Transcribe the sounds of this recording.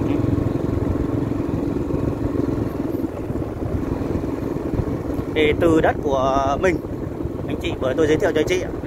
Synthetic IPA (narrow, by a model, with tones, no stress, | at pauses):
e˨˩t̪ɨ˨˩ɗə˦˥t̚ku˧˩əmï˨˩ŋ̟ | ʔa˨˧˩jŋ̟t͡ɕḭ˧˨vəː˧˩jt̪o˧jzəː˨˦t̪ḭ˧˨t͡ɕːɲt͡ɕḭ˧˨